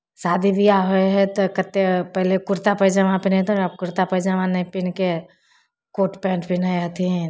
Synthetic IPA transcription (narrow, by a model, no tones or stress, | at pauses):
saːd̪ʱibʱiaɦoeɦɛt̪okət̪ːepɛɦlekʊɾt̪apəjd͡ʒãʋãpɪnẽt̪ʰoakʊɾt̪apəd͡ʒaʋãnɐĩpɪnke | koːʈpɛ̃ːɳʈbinajat̪ʰĩ